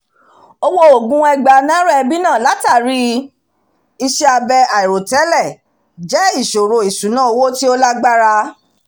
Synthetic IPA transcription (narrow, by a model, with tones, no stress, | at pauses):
o˧wo˧o˨ɡũ˦ɛ˧ɡ͡ba˨nã˦ɾa˦ɛ˧bi˦nã˦˨la˨˦ta˦˨ɾi˦ | i˧ʃe˦a˧bɛ˧a˨i˨ɾo˨tɛ˨˦lɛ˦˨ | d͡ʒɛ˦i˦˨ʃo˨ɾo˨i˨sũ˨˦nã˦o˧wo˦ti˦o˦la˦ɡ͡ba˦ɾa˦˧